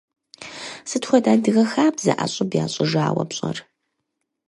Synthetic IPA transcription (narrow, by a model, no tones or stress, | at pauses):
sɨtxʷɔdaːdɨɣɐxaːbzɐ̰ʔaɕʼʊbjaːɕʼɪʒaːwɐ̰pɕʼɐr